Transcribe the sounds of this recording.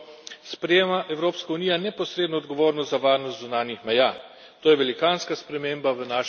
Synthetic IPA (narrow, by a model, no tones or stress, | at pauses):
spɾɛjeːmaʔɛwɾoːpskauniːjanɛpɔsɾeːd̪nɔːd̪ɡɔʋoːɾnɔst̪zaʋaːɾnɔst̪zunaːnjixmɛjaː | t̪oːjɛʋɛlikaːnskaspɾɛmeːmbaʋənaːʃ